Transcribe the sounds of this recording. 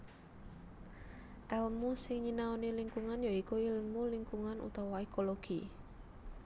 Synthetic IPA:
ʔɛlmusɪŋɲinaoniliŋkuŋanjaikuilmuliŋkuŋanʔṵt̪awaekoloɡ̥i

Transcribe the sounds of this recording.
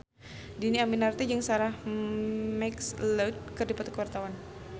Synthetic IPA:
diniaminart̪id͡ʒəŋsaɾah | mɛksləd̚kərdipat̪ukəwart̪awan

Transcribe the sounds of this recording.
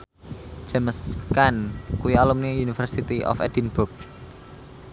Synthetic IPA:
d͡ʒ̥aməskankuialumniunifərsit̪iʔɔ̰fɛ̰dinburk̚

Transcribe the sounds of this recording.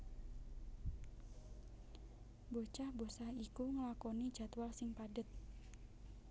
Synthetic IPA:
bot͡ʃahbosahikuŋəlakɔni̥d͡ʒat̪walsɪŋpadət̪̚

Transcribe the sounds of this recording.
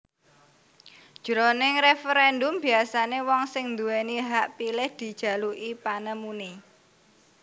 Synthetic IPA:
d̥ʒ̥ɾonɪŋrefəɾɛndʊmb̥i̤asanewɔŋsɪŋnd̪uɛniɦaʔpilɪhd̪̥i̤d̥ʒ̥ä̤luʔipanəmuni

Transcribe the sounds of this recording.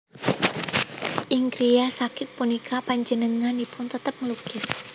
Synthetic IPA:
ʔɪŋkɾijasakɪt̪̚punikapaɲd͡ʒənəŋanipʊnt̪ət̪əp̚ŋəluɡ̥ɪs

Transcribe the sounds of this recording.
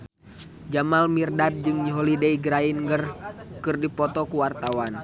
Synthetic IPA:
d͡ʒamalmirdad̪̚d͡ʒɨŋɲiɦɔlidɛiɡɾainɡərkɨrdipɔt̪ɔkuwart̪awan

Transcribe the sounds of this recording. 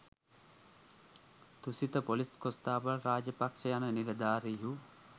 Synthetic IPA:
t̪usit̪əpoliskost̪aːʋəɾaːd͡ʒəpakʂəjanəniɾɐd̪aːɾiɦu

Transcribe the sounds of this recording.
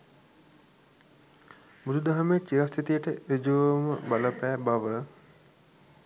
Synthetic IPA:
bud̪ud̪aɦamet͡ʃiɾasit̪ijəʈəɾid͡ʒoməbaləpæːbaʋə

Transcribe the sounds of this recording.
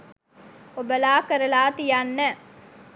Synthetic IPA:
obɐlaːkɐɾɐlaːt̪ijanːɐ

